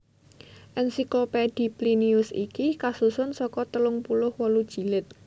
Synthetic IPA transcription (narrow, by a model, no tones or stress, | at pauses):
ʔɛnsikloped̥i̤pliniʊsḭkikasusʊnsɔkɔt̪əlʊŋpulʊhwɔlud̥ʒ̥i̤lɪt̪̚